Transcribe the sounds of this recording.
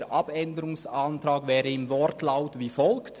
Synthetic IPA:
ɾʔɑbɛndəɾʊŋsɑnt̪ɾɑːɡvɛːɾəɪmvɔɾtlaʊtviːfɔlkt

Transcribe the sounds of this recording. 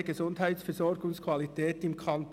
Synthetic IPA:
əɡ̥ezʊndɦaɪtsfɛzɔɾɡʊŋskʰvɑlitʰɛːtɪmkʰɑnt

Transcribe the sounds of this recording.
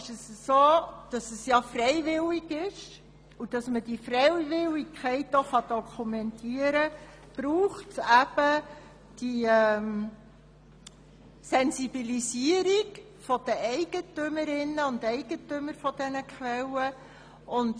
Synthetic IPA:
ɪʃəssoːd̥ɑsəsjɑfrɛɪvɪliɡɪʃ | ud̥ɑsməd̥ifɾɛɪvɪlːikʰχɛɪtoχɑd̥ɔkʰumɛntʰiəɾə | b̥ɾuːχtæb̥ə | d̥iɛm | sɛnsib̥ilisiəɾiɡ | fɔd̥əʔɛɪɡ̥ətʏməɾɪnːəʊndɛɪɡ̥ətʏməɾfɔd̥ɛnəkχʋɛlːə | ʔʊnd

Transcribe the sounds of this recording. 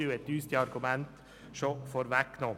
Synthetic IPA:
jʊɛt̪ʉːst̪ɪɑɾɡʉmɛnt̪ | sɔːfoːɾʋækːnoː

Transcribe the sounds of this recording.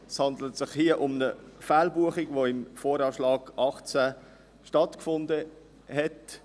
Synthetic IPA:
shɑndlətsɪχhiːəʔʊmnəfaːlbuəχɪɡvoːɪmfoːɾɑːʃlɑːɡ̥ɑχt͡sa | ʃtɑtkfʊndə | hɛt

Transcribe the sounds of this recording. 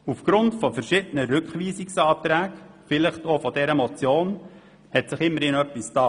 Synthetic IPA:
ufɡ̥ɾʊntfɔfəɾʃɪːdənəɾʏkχʋiːsɪksɑːtɾæːɡ | fɪləχtoːfɔdɛɾəmɔt͡sjoːn | hɛtsɪχɪmːəɾɪnœpːɪstɑː

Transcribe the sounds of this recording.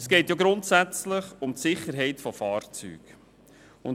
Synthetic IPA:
sɡ̥ɛɪtjaɡɾʊntsæt͡slɪχʊmtsɪχəɾɦɛɪtfɔfɑːɾt͡sy̰ːɡ̥ | ʊn

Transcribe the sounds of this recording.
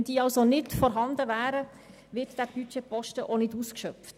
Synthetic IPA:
nd̥iːɑlsonɪtfɔɾɦɑnd̪əʋæːɾə | ʋɪɾtd̥æb̥yt͡ʃɛpɔʃtəʔonɪduːskʃœft

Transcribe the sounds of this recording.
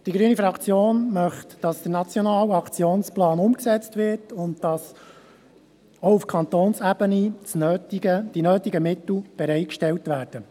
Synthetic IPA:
d̥iɡɾyːnifɾɑkt͡sjoːnmœχtd̥ɑsd̥̪əɾnɑt͡sjɔnɑːlɑkt͡sjoːnsplɑːnʊmksɛt͡stʋɪɾtʊntd̥ɑs | oufkʰɑnt̪oːnsæb̥ənit͡snøːtiɡəd̥inøːt̪iɡəmɪt̪l̩b̥ɛɾɛɪt̚kʃtɛltʋæːɾd̥ə

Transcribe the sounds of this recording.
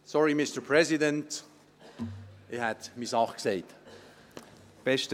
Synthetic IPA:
sɔɹimɪstə˞pʰɹ̥ɛzɪdə̃nt | ʔihætmisɑχkseɪt | b̥ɛst

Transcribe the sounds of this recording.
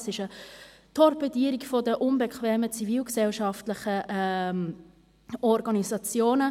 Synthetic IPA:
sɪʃə | tʰɔɾpɛdiːɾikfɔdəʔʊnbɛkʰχʋɛːmət͡siviːlksɛlʃɑftlɪχəʔ | ɔɾɡɑnizɑt͡sjoːnə

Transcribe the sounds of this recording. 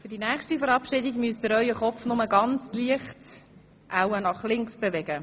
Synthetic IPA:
fʏdinæːχʃtifəɾɑpʃɪdiɡmyəstəɾœʏəχɔpfnʊməɡɑnt͡sliəχt | ʔawənɑχlɪŋksb̥evɛɡ̥ə

